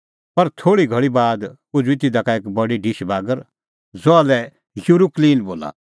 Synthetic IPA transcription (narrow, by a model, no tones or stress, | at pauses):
pɐɾt̪ʰoːɽiɡʱɐɭibaːd̪ | ʊd͡ʒɪt̪id̪akaeːkbɐɖiɖɪʃbaːɡəɾ | zoalɛ | juɾukliːnboːla̰